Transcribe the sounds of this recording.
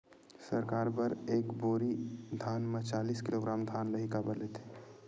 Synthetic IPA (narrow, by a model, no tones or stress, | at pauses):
səɾkaːɾpəɾeːkboːɾid̪ʱaːnmət͡ʃaːliːskɪloːɡɾaːmd̪ʱaːnləɦikabəɾlet̪ʰe̥ː